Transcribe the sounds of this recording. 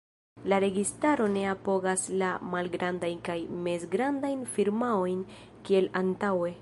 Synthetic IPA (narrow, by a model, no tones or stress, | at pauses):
laɾe̞ɡistaɾo̞ne̞apo̞ɡaslamalɡɾandajnkajme̞zɡɾandajnfiɾmao̞jn | kie̞lantawe